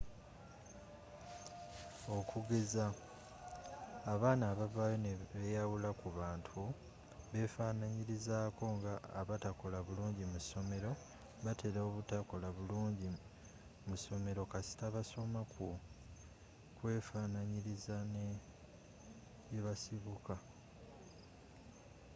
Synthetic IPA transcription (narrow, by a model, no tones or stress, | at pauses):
o̞kuɡe̞za | βaːnaːβavajonβejawulakuβaːntʰu | βe̞faːnaɲiɾizaːko̞ŋɡaːβatako̞laβuluːɲɟimuso̞me̞ɾo̞ | βatʰe̞ɾaoβutako̞laβuluːɲɟi | muso̞me̞ɾo̞kasi̥taβaso̞maku | kwe̞ːfaːnaɲiɾizane | eβasiβuka